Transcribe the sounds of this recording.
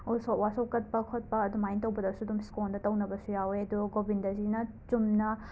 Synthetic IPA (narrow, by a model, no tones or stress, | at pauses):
usowasɐwkɐt̚pɐkʰot̚pɐːd̪umajntɐwbɐdɐsudumskondɐtɐwnɐbɐsujaweɐd̪uɡobindɐzinɐ | t͡ʃumnɐ